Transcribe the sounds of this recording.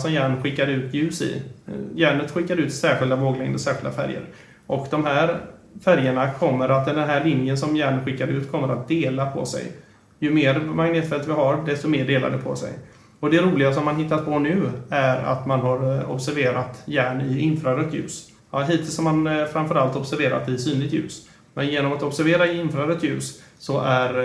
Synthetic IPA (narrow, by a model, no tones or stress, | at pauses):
sɔmjæːɳɧɪkːaɾʉ̟ːt̪jʉ̟ːsɪ̰jæːɳət̪ɧɪkːaɾʉ̟ːt̪sæːɾɧɪld̪avoːɡlɛŋd̪əsæːɾɧɪld̪a̰fæ̰ɾjə̰ɾ | ʔɔkd̪ɔmɦæːɾfæɾjəɳakʰɔmːəɾʔat̪ːɛd̪ɛnɦæːɭɪnjənsɔmjæːɳɧɪkːaɾʉ̟ːt̪kʰɔmːəɾa̰t̪̚d̪eːlapʰɔ̰sɛ̰j | jɵmeːɾmaŋneːt̪fɛlt̪vɪɦaɾdɛst̪ɔmeːɖeːla̰d̪əpʰɔ̰sɛ̰j | ɔd̪ɛɾuːlɪɡasɔmːanɦɪt̪ːat̪̚pʰɔnʉ̟ːæɾa̰t̪manɦaɾɔ̰bsæɾveːɾat̪jæːɳɪɪnfɾaɾœt̪ʰjʉ̟̰ːs | ɑɦiːt̪ʰɪlsɔmːanfɾanfœɾalt̪ɔbsæɾveːɾa̰t̪ɪsyːnlɪɡt̪jʉ̟̰ːs | mɛnjeːnɔmat̪ɔbsæɾveːɾaɪɪnfɾaɾœt̪jʉ̟ːssɔʔæɾ